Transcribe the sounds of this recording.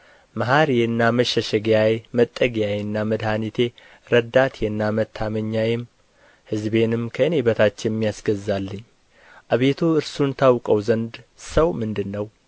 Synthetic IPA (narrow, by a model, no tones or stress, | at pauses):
maɦaɾjɨnːaməʃəʃɛɡjajmət̪ʼːəɡijajnːaməd̪hanit̪ʰe̞ | ɾəd̪at̪jɛnːamət̪ʰːaməɲːajɪm | hɨzbe̞nɨmkʰəɨnebət̪ʰat͡ʃːɪjmːijasɡəzalːɨɲː | ʔaβet̪ʰuɨɾsunt̪ʰawkʼəwzənd̪səwmɨnd̪ɨnːəw